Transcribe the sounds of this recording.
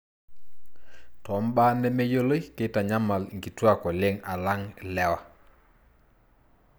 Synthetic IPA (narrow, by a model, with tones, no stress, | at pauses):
tɔ˨˦mba˦nɛ˦mɛ˦jo˦lo˦jkɪ˦ta˨ɲa˦ma˨lŋɡi˨twa˦kɔ˨lɪ˦ŋa˨la˦ŋlɛ˦wa˨